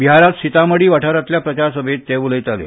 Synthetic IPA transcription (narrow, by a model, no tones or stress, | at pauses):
ʋiɦaɾat̪sit̪aməɽiːʋaʈʰaɾat̪ljapɾət͡ɕaɾsəbʱet̪ːɛʋuləjt̪aljo̰